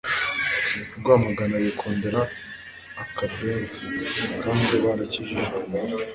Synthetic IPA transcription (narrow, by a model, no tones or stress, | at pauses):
uɾɡwaːmaɡanajokʰoːndeɾaː | kabbeːzikaːndiβaɾaciʒiʒɡe